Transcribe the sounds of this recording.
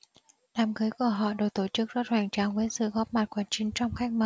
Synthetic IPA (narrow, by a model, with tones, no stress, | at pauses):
laː˨˩mɣɨː˨˦jku˧˩əɦɔ̰˧˨ɗo˨˩t̪o˧˩t͡ɕɨ˦˥k̚zɔ˦˥t̚hwaː˧˩ŋt͡ɕaː˨˩ŋvəː˨˦sɨ̰˧˨ɣɔ˦˥p̚ma˨˩t̚kwaː˧˩nt͡ɕi˨˦ŋ̟t͡ɕɔ˧wŋ͡mxa˦˥jk̚mə˨˩